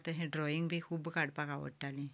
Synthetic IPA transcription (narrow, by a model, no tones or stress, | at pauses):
t̪əɦẽɖɾɔiŋɡbʱiːkʰuːbkaɽpakaʋə̰ʈːali